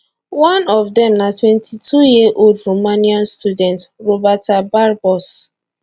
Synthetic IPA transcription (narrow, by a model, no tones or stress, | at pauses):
wãnɔvdɛ̃mnatwɛ̃ntitʰujiʔoldɹomaniãnstjudɛ̃ntɹobatabaɹbɔs